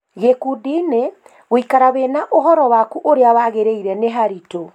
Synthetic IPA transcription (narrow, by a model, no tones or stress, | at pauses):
ɣekudine | ɣoikaɾaβenaʔoɦɔɾɔwakuʔoɾeawaɣeɾeiɾɛneɦaɾito